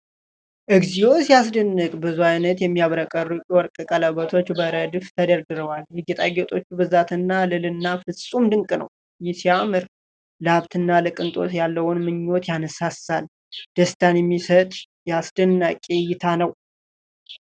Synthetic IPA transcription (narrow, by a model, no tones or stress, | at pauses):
ʔɨɡzijo̞sjasd̪ənːɨkʼbɨzuajnət̪jɛmːiaβɾəkʼərːuwɔɾkʼɨkʼələβət̪ʰo̞t͡ʃːbəɾəd̪ɨft̪ʰəd̪əɾd̪ɨɾəwaljɛɡet̪ʼaɡɛt̪ʼo̞t͡ʃːubɨzat̪ʰɨnːalɨlɨnːafɨsʼumd̪ɨŋkʼɨnə̰w | jisiamɨɾ | ləaβt̪ʰɨnːalɨkʼɨnt̪ʼo̞̰sjalːəwʊnmɨɲːo̞t̪janəsasal | d̪̥əst̪ʰanjɛmːisət̪ʼ | jɛasd̪ɨnːakʼejɪt̪ʰanəw